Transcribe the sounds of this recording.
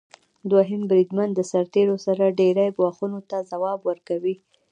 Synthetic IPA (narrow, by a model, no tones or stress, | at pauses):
d̪waɦɪmbɾid̪mand̪d̪əsaɾt̪eɾosaɾaɖeɾajɡwɑxunot̪azawɑbwəɾkawi